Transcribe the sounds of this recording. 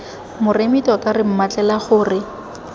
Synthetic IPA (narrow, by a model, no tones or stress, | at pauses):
mʊremitɔkʼarɪm̩mat͡ɬʼɛlaχʊːrɪ